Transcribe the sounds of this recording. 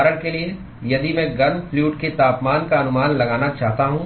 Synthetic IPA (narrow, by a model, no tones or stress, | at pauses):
ɾəɽkelie | jɐd̪imɛ̃ːɡɐnfljuːʈket̪aːpmaːnkaɐnʊmaːnlɐɡaːnat͡ʃaːɦt̪aɦũː